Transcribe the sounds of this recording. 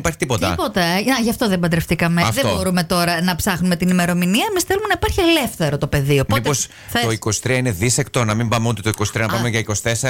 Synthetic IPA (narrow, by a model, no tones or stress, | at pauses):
ipɐɾçit̪ipo̞t̪ɐḭpot̪ɐenɐʝɐft̪o̞ðembɐd̪ɾeft̪ikɐmeɐfðetoboɾume̞t̪o̞ɾɐnɐpsɐxnume̞t̪inime̞ɾo̞miniɐemisθelumenɐipɐɾçielefθe̞ɾo̞t̪o̞pe̞ðio̞pmmip̪os | θɐtoiko̞st̪ɾiɐine̞ðisekt̪o̞nɐmimbɐmeut̪et̪oiko̞sit̪ɾiɐnɐpɐmeʝɐiko̞sθeseɐ